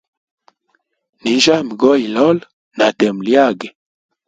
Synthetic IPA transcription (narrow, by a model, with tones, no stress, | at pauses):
ni˨n˦d͡ʒa˦mi˨ɡɔ˦i˨lɔ˦l | na˨tɛ˨m˨lja˦˨ɡɛ˨